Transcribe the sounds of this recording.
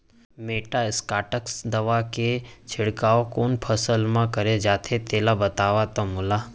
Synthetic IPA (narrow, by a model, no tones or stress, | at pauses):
meʈaɪskaːʈəksd̪əʋaket͡ʃʰɪɽkaokoːnpʰəsəlmãkəɾed͡ʒaːt̪ʰet̪elabət̪aʋat̪omula